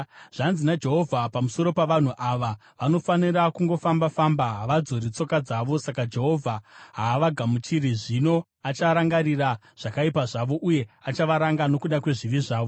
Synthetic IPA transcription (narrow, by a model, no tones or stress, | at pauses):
ʐ̥anzinad͡ʒe̞ɦo̞vʱapamuso̞ɾo̞paʋan̤uʔaʋa | ʋano̞faniɾakuŋɡo̞fambafambaɦaʋad͡zoɾit͡so̞kad͡zaːʋosakad͡ʒe̞ɦo̞vʱaɦaːʋaɡʱamut͡ʃiɾiʐino̞ | at͡ʃaɾaŋɡaɾira | ʐ̥akaipaʐaʋo̞ʔuje̞at͡ʃaʋaɾaŋɡano̞kuɗakwe̞ʐiʋiʐaːʋo